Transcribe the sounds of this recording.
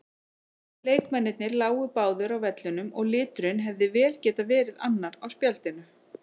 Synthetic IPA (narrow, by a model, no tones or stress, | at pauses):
leːjkmɛnːɪt̪̚nɪɾlaːwʏpaːwðʏɾawvɛt̪lʏnʏmɔɣlɪːt̪ʏɾɪnɦɛvðɪvɛːlcɛːt̪avɛːɾɪðanːaɾawspjal̥t̪ɪnʏ